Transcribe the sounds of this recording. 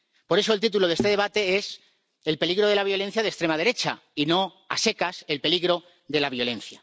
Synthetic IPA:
po̞ɾe̞soe̞lt̪it̪̬ulo̞ðe̞st̪e̞ðe̞βat̪e̞e̞s | e̞lpe̞liɣɾo̞ð̞e̞laβ̞jo̞le̞n̟θjaðest̪ɾemað̞e̞ɾe̞t͡ʃa | ino̞ | a̰se̞kase̞lpe̞liɣɾo̞ | ðe̞laβ̞jo̞le̞nθja

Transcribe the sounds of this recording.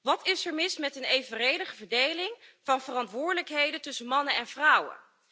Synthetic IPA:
ʋɑtɪsəɹmɪsmɛtənejvərejdəχəvəɹdejlɪŋv̥ɑnvərɑntʋʊːɹdələkɦejdəntɵsənmɑnənɛnv̥rʌwə̰

